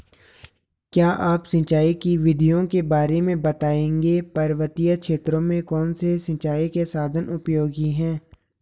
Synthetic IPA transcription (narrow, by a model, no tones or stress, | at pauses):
kjaːʔaːpsɐ̃t͡ʃaːikiʋɪd̪ʱijõkebaːɾemẽbɐt̪aːẽːŋɡepɐɾʋət̪ijəkʃeːt̪ɾõmẽkɔːnsesɐ̃t͡ʃaːikesaːd̪ʱənʊpjoːɡiɦɛ̃ː